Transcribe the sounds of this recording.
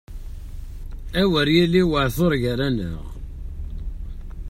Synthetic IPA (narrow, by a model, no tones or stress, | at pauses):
æwəɾjilːiwəʕθoɾˤʝəɾænə̰ʁ